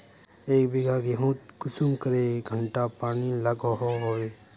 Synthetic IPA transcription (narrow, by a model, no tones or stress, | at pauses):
eːkbiɡʱaɡeɦõt̪kʊsumkəɾeɡʱəɳʈapaːniləɡʱoɦoɦoweː